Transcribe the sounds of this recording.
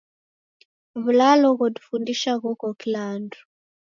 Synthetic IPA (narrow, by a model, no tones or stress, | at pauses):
βulalɔɣɔdu̥fundiʃaɣɔkɔkilandu